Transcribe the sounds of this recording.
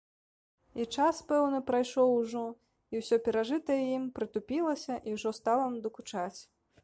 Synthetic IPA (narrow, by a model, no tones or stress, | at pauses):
it͡ʂaspɛwnɨpɾajʂɔwʐɔ | iwsʲɔpʲɛɾaʐɨt̪ɐjɛjimpɾɨt̪upʲilˠɐsʲɐʔiwʐɔst̪alˠɐmd̪ɐkut͡ʂat͡sʲ